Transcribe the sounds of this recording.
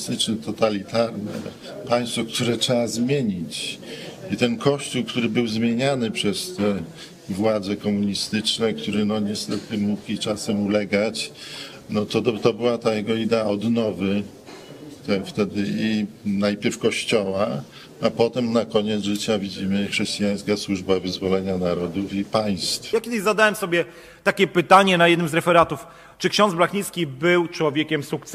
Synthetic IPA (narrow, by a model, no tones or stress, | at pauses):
st̪ɘt͡ʂnɛt̪ɔt̪alʲit̪aɾnɛ̰ | paj̃st̪fɔk̚t̪uɾɛʈ͡ʂɛazmʲjeɲit͡ɕ | it̪ɛnkʰɔɕt͡ɕuwkt̪uɾɘbɘwzmʲjeɲanɘpʂɛst̪ɛ | vwad̪zɛkɔmuɲist̪ɘt͡ʂnɛk̚t̪uɾɘnɔɲɛst̪ɛt̪ɘmukit͡ʂasɛmulɛɡat͡ɕ | nɔt̪ɔt̪ɔbɨwat̪ajɛɡɔid̪ɛaɔd̪nɔvɘ | t̪ɛft̪ɛd̪ɘinajpʲjɛɾfkɔɕt͡ɕɔwa | apɔt̪ɛmnakɔɲɛt̪zʐɘt͡ɕavʲid͡ʑimɘxʂɛɕt͡ɕijaj̃skaswuʐbavɘzvɔlɛɲanaɾɔd̪ufipaj̃st̪fjakʲɛd̪ɪɕzad̪awɛmsɔbʲjɛ | t̪akʲɛpɘt̪aɲɛnajɛd̪nɘmzɾɛfɛɾat̪uf | t͡ʂɨkɕɔ̃nd̪zblaxɲiskʲibɘwt͡ʂwɔvʲjekʲɛmsukt̪s